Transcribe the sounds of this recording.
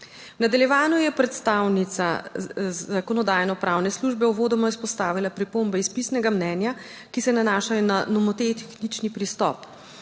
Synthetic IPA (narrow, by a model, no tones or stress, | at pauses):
wnad̪aljɛʋaːnujɛpɾɛt̪st̪awnit̪sa̰ | akɔnɔd̪aːjnɔpɾaːwnɛsluʒbɛuʋoːd̪ɔmɔispɔst̪aːʋilapɾipombɛispisnɛɡamnɛːnja | kisɛnanaːʃajɔnanɔmɔt̪et̪xnit͡ʃnipɾist̪ɔ̰p